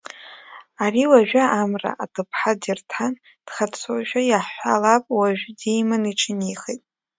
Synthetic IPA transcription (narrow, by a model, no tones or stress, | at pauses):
ariwaʒᶣaʔamra̰ʔatʰɨpʰħadirtʰan | d̥χat͡sʰoʒᶣajaħʷalapʼwaʒᶣdejmaniʈ͡ʂʰɨniχejtʼ